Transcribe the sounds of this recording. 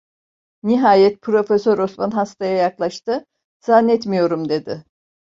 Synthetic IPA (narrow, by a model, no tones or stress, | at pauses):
niɦaːjɛt̪̚pʰɾo̞fesøɾo̞smanɦast̪ʰajajaklˠaʃt̪ɯ | z̥anːɛt̪mijo̞ɾumd̪e̞d̪ɪ